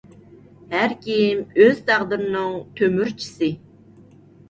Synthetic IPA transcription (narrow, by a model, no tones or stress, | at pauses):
hæɾkʲʰijimøz̥t̪ʰæʁd̪ɨɾɪnɨŋt̪ʰømyɾt͡ʃʰi̥sɨ